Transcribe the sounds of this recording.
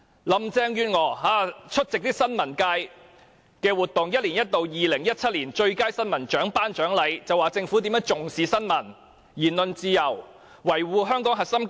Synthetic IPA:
lɐ˨˧mt͡sɛː˥ŋjyː˧ŋɔː˨˧ɦaː˨˥t͡ʃʰɵ˥t̚t͡sɪ˨k̚t̪iː˥k̚sɐ˥nmɐ˨˩nkaː˧j | kɛː˧wuː˨˩t̚t̪ʊ˨ŋjɐ˥t̚liː˨˩njɐ˥t̚t̪o˨wjiː˨lɪ˨˩ŋjɐ˥t̚t͡sʰɐ˥t̚liː˨˩nt͡ʃɵ˧ɥkaː˥jsɐ˥nmɐ˨˩nt͡ʃœː˨˥ŋpaː˥nt͡ʃœː˨˥ŋlɐ˨˧jt͡sɐ˨waː˨˩t͡sɪ˧ŋfu˨˥t̪iː˨˥mœː˨˧˥ŋt͡sʊ˨ŋsiː˨˧sɐ˥nmɐ˨˩n | jiː˨˩nlɵ˧nt͡siː˧jɐ˨˩w | wɐ˨˩jwuː˨˧ɦœː˥ŋkɔː˨˥ŋɦɐ˨t̚sɐ˥m

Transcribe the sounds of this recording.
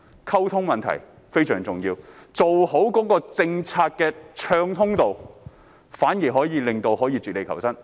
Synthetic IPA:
kʰɐ˥wt̪ʰʊ˥ŋmɐ˨nt̪ʰɐ̰˨˩j | fe˥jsœː˨˩ŋt͡sʊ˨ŋjiː˧wt͡so˨who˨˥wkɔː˨˥kɔː˧t͡sɪ˧ŋt͡sʰaː˧t̚kɛː˧t͡ʃʰœː˧ŋt̪ʰʊ˥ŋt̪o˨w | faː˨˥njiː˨˩ɦɔː˨˥jiː˨˧lɪ˨˩ŋt̪o˧whɔː˨˥jiː˨˧t͡syː˨t̚le˨˧jkʰɐ˨˩wsɐ˥n

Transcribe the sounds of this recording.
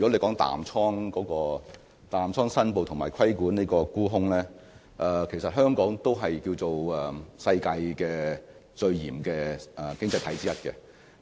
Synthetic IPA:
y˨˩kɔ˨˥le˨˧jkɔː˨˥ŋt̪a̰ː˨mt͡sʰɔː˥ŋkɔː˨˥kɔː˧ | t̪aː˨mt͡sʰɔː˥ŋsɐ˥np̬o˨˧wt̪ʰʊ˨˩ŋmaː˨˩jkʰɐ˥jkuː˨˥niː˥jkɔː˧kuː˥ɦʊ˥ŋlɛː˥ | ʔɛ˨˩kʰe˨˩sɐ˨t̚ɦœː˥ŋkɔː˨˥ŋt̪o˥wɦɐ˨jkiː˧wt͡so˨wɛː˨˩sɐ˧jkaː˧jkɛː˧ | t͡sɵ˧ɥjiː˨˩mkɛː˧ʔɛː˨˩kɪ˥ŋt͡sɐ˧jt̪ʰɐ˨˥jt͡siː˥jɐ˥t̚kɛ̰˧

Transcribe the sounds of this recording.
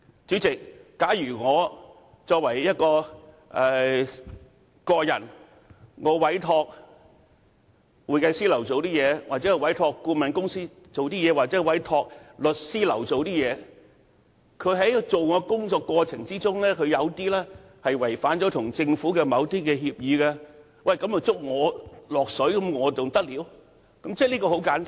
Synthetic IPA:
t͡ʃyː˨˥t͡sɪ˨k̚ːaː˨˥jjyː˨˩ŋɔː˨˧ | t͡sɔː˧k̚wɐ˨˩jjɐ˥t̚kɔː˧ | ʔɛ˨˧ | kɔː˧jɐ̰˨˩n | ŋɔː˨˧wɐ˨˥jt̪ʰɔː˧k̚ | wuː˨˩jkɐ˧jsiː˥lɐ˨˩wt͡so˨wt̪iː˥jɛː˨˧wʔaː˨k̚t͡sɛ˨˦˥wɐ˨˥jt̪ʰɔː˧kkːuː˧mɐ˨nkʊ˥ŋsiː˥ | t͡so˨wt̪iː˥jɛː˨˧waː˨k̚t͡sɛː˨˥˧wɐ˨˥jt̪ʰɔː˧k̚lɵ˨t̚siː˥lɐ˨˩wt͡so˨wt̪iː˥jɛː˨˧ | kʰɵ˨˧˥ɦɐ˨˥jt͡so˨wŋɔː˨˧kʊ˥ŋt͡ʃɔː˧kːɔː˧t͡sʰɪ˨˩ŋt͡siː˥t͡sʊ˥ŋlɛː˥kʰɵ˧ɥjɐ˨˧wt̪iː˥lɛː˥ | hɐ˨jwɐ˨˩jfaː˨˥nt͡sɔː˨˥t̪ʰʊ˨˩ŋt͡sɪ˧ŋfuː˨˥kɛː˧mɐ˨˧wt̪iː˥kɛː˧hiː˧p̚jiː˨˧kɐ˧ | wɐ˨jkɐ˨˥mjɐ˨˩wt͡sʊ˥k̚ŋɔː˨˧lɔː˨˩k̚sɵ˨˥ɥkɐ˨˥mŋɔː˨˧t͡sʊ˨ŋt̪ɐ˥k̚liː˨˥w | kɐ˨˥mt͡sɛː˥˩liː˥kɔː˧ho˨˥wkaː˨˥nt̪a˥

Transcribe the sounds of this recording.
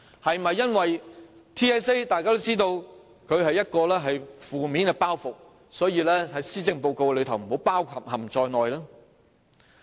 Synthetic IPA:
hɐ˨jm˨ɐ˨jːɐ˥nwɐ˨jt̪ʰiː˥ɛː˥se˥t̪aː˨jkaː˥t̪o˥wt͡siː˥t̪o˧w | kʰɵ˨˧ɥɦɐ˨jːɐ˥t̚kɔː˧lɛː˥ɦɐ˨jfuː˨miː˨˥nkɛ˧paː˥wfʊ˨k̚ | sɔː˨˥jiː˧lɛː˥hɐ˨˥jsiː˥t͡sɪ˧ŋpo˧wko˧wɛ˧lɵ˨˧ɥt̪ʰɐ˨˩wm̩˨˩ho˨˥wpaː˥wkʰɐ˨p̚hɐ˨˩mt͡ʃɔː˧jnɔː˨jlaː˥

